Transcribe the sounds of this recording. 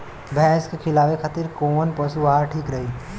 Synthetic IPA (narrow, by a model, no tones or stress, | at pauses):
bɛːskekʰɪlaːʋekʰat̪ɪɾkoːnpɐsuaaɾʈʰiːkɾɐɦiː